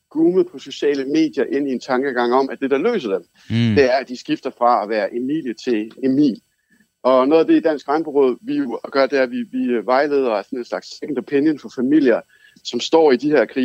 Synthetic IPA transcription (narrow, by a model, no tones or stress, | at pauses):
ɡ̥uːməð̩ˠpʰɒ̽so̝ɕɛ̰ːləme̝̰ːd̥jɐʔe̝n̰ie̝nt͡sʰɑ̈ŋɡ̥əɡ̥ɑ̈ŋ̰ɒ̽mʔæd̥e̝d̥ɑ̈lø̰ːsɐd̥em | d̥e̝æɐæd̥isɡ̥ifd̥ɐfʁɑ̈æʋæːɐʔe̝mḭːljət͡sʰe̝le̝mḭːl | ɒ̽no̽ːðˠɐd̥e̝id̥æn̰sɡ̥ʁɑnb̥əʁɔ̽ð̰ˠʋijɡ̥ɶɐd̥e̝æɐʋiʋiʋɑ̈ɪle̝̰ːð̞ˠɐɐsɒ̽ne̝nslɑ̈ɡ̥seɡ̥n̩d̥əpʰenjənfɒ̽fæmil̰jɐ | sɒ̽msd̥ɒ̰ːid̥iheɐ̰kʰʁḭː